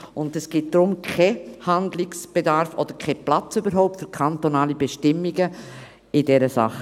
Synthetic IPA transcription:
ʊndɛsɡ̥ɪt̚d̥ɾʊmkʰehandlɪksb̥edaɾfɔd̥̪əɾkʰɛplat͡sybəɾɦɔʊp̚tfyɾkʰantonaːlibɛʃtɪmːiɡə | ɪdɛɾəsa̰χə

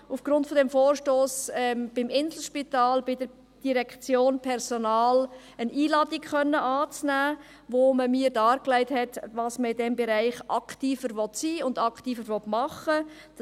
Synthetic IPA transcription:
ufɡ̥ɾʊntfɔdɛmfoːɾʃtoːsɛmb̥ɪmɪnzl̩ʃpitɑːlbɪdəɾ | d̥iɾɛkt͡sjoːnpʰɛɾsɔnɑːl | əniːlɑːdɪkχœnːəʔɑːt͡snæː | ʋoməmiːəɾdɑːɾklæɪthɛtvɑːsməɪdɛmbɛɾæɪχʔɑktiːfəɾʋɔtsiːʊndɑktiːfəɾʋɔtmɑχə | d̥

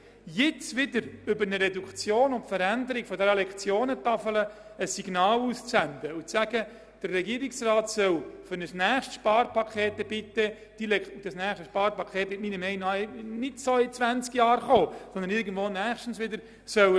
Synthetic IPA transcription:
jɪt͡sʋɪdəɾʏbəɾnəɾɛdukt͡sjoːnʊntfəɾænd̪əɾɪɡ̥fɔdɛɾəlɛkχt͡sjoːnətɑfələəsiɡ̥nɑːluːst͡sɛndəʊt͡sːæɡ̥ə | d̥ərːɛɡiːɾɪksrɑːtsœwfʏɾnəsnæːχʃtʃpɑːɾpʰɑkʰeːtɛbɪt̪ːə | d̥ilɛd̥ɑsnæːχʃtəʃpɑːɾpɑkʰχeːt̚mɪt̚miːnəmɛɪnɑnɪtsoɪt͡sʋænt͡skjɑːɾχoːsɔnd̪ənɪɾɡən̩d̥vʋoːnæːχʃtn̩sʋɪdəɾ | sœw

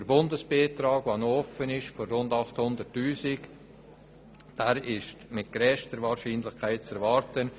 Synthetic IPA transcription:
d̥əɾbʊndəsb̥eːt̪ɾɑːɡ̥vanoɔfənɪʃforːʊndɑχthʊndərtyːsɪk | d̥æːɾɪʃtmɪt̚ɡ̥ɾɛʃtdəɾvɑːɾʃiːnlɪχkʰaɪt̚t͡sɛɾvɑːɾtən

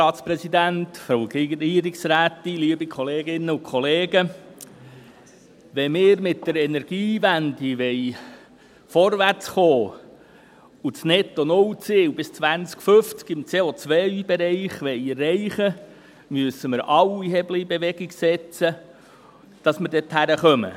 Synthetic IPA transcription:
ɑːt̪spɾɛsid̪æntfɾoːɡeɡiːɾɪksɾæːt̪iliːbikʰɔleːɡɪnːəukʰχɔleːɡə | ʋɛmɪːɾmɪtd̥əɾɛnɛɾɡ̥iːʋænd̪iʋɛɪ | fɔɾʋært͡sχoː | ut͡snɛt̪ɔnʊwt͡sɪːwbɪst͡sʋænt͡skføft͡skɪmt͡seːot͡sʋœɪb̥eɾɛɪχʋɛɪərːɛɪχə | myəsəmɪɾʔɑwiɦɛblibeʋɛɡɪɡsɛt͡sə | d̥ɑsməɾdɛthæɾəχœmə̰

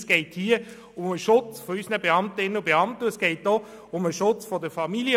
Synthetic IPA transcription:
sɡ̥ɛɪthiːə | ʊməʃʊt͡sfɔysənəbeɑmtəɪnəəbeɑmtəsɡ̥ɛɪt̚d̥o | ʊməʃʊt͡sfɔdəfɑmiljə

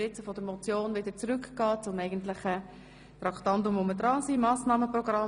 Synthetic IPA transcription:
ɪt͡səfɔd̪əɾmɔt͡sjoːnvɪdət͡sɾʏkɡ̥ɑːt͡sʊmɛɪɡən̩tlɪχə | t̪ɾɑktɑntʊmʊməd̥ɾɑːsimɑːsnɑːməprɔɡ̥ɾɑ

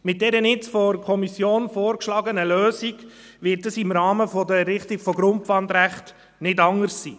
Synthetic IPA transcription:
mɪt̚dɛɾənɪt͡sfɔkʰɔmisjoːnfɔːɾkʃlɑːɡənəløːsiɡ | ʋɪt̚dəsɪmɾɑːməfɔdəɛɾːɪχtiɡfɔɡɾʊmpʋɑndɾæχt | nɪdɑŋəɾsːḭː

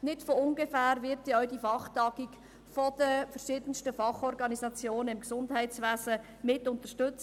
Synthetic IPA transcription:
nɪtfoʊnɡefæːɾvɪɾt̪ɔʊdifɑχtɑɡ̥ik | fɔd̥əfəɾʃiːdənstəfɑχɔɾɡɑnizɑt͡sjoːnəɪmksʊndɦɛɪtt͡sʋæːzə | mɪtʊnt̪əʃtʏt͡s

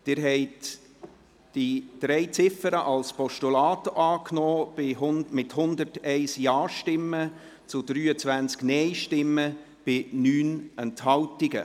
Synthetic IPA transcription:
d̥ɪːɾɦɛɪt | d̥id̥ɾɛɪt͡sɪfəɾəʔɑlspɔʃtulɑːtʔɑːknɔːb̥ɪhʊmɪthʊnd̪ərtɛɪsjɑːʃtɪmːə | t͡sʊd̥ɾyːət͡svænt͡sknɛɪʃtɪmːə | b̥ɪnyːnɛnthɑwtiɡə̰

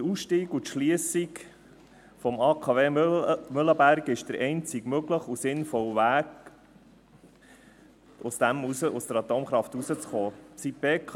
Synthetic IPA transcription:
ɾusʃtiːɡut̪ʃliəsik | fɔmɑːkʰɑveːmʏləbæɾkɪʃd̥̪əɾɛɪnt͡siɡmøɡləχusɪnfɔlʋæːk | ʊsd̥̪æmusəʊsd̥̪əɾɑt̪oːmχɾɑft̪usət͡sχoːsit̚b̥eːk

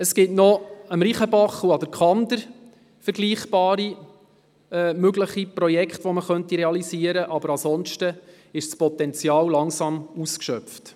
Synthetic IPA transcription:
əskɪtnɔəmɾiχəbɑχuɑd̥̪əɾkχɑnd̪əɾ | fəɾɡliːχb̥ɑːɾi | ɛmøɡləχiprɔjɛkχtʋɔməχœntiɾɛɑlisiəɾəʔɑbəɾɑsɔnʃtə | ɪʃspɔt̪ɛnt͡sjɑːwlɑŋsɑmuskʃœpft

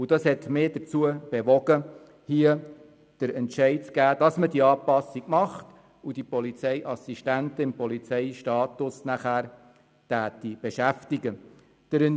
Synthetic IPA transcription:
ud̥ɑshɛt̪mɪd̥əɾt͡suəb̥eʋɔɡə | hiə | d̥əɾɛntʃɛɪt͡skæːd̥ɑsmədiəɑːpɑsiɡ̥mɑχt | ud̥ipɔlit͡sɛɪʔɑsiʃtæntəɪmpɔlit͡sɛɪʃtɑːt̪ʊsnæχæːɾ | tæːtib̥eʃæftiɡə | d̥əɾɛn

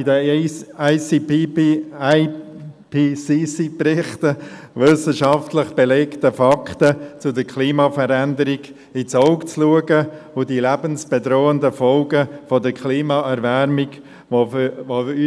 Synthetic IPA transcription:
idə | ɪs | pisisiprɪχt̪ə | ʋʏsəʃɑftləχb̥elɛktəfɑktət͡sʊdəɾkʰliːmɑfəɾændəɾiɡ | it͡sɔʊkt͡sluəɡəʊdilæbənsb̥edɾoːəndəfɔlɡəfɔdəɾkʰliːmɑʔɛɾvɛɾmɪɡ | ʋovoy

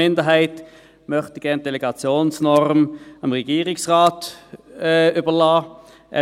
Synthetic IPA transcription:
ɪnd̪əɦæɪt̪ | mœχt̪əɡ̥ɛʁnd̪ɛlɛɡɑt͡sjoːnsnɔʁmɑmʁɛɡiːʁɪksʁɑːt̪ | yːbəlɑː | ʔɛ̰

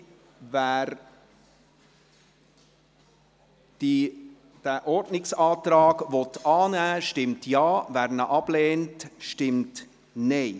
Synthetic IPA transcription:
væːɾ | d̥i | d̥æʔɔɾdnɪksɑːtɾɑːɡʋɔtɑːnæːʃtɪmtjɑːvæːɾnəʔɑb̥leːntʃtɪmt | nɛɪ

